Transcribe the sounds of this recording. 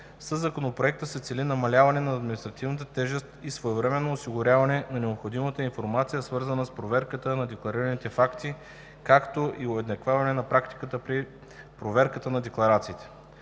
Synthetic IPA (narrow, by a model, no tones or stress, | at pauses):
səzːɐkonopɾoɛk̚t̪əsɛt̪sɛlinɐmɐlʲavɐnɛnɐːd̪minist̪ɾɐt̪ivnət̪ət̪ɛʒɛst̪isvoɛvɾɛmɛnːoːsiɡʊɾʲjavɐnɛnɐnɛopxod̪imət̪əinfoɾmat̪sijəsvɤɾzənəspɾovɛɾkət̪ənɐd̪ɛklˠɐɾiɾənit̪ɛfakt̪i | kakt̪oʔioɛd̪nɐkvavɐnɛnɐpɾakt̪i̥kət̪əpɾi | pɾovɛɾkət̪ənɐd̪ɛklˠɐɾat̪siːt̪ɛ̥